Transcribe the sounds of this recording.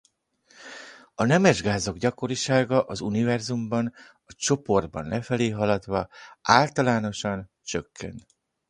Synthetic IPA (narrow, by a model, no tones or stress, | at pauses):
ɒnɛmɛʒɡaːzo̞ɡɟɒko̞ɾiʃaːɡɒʔɒzunivɛrzumbɒn | ɒt͡ʃo̞po̞rd̪̚bɒ̰nlɛfɛleːɦɒlɒd̪ʋɒaːlt̪ɒlaːno̞ʃɒn | t͡ʃø̞kʰːɛ̰nt̪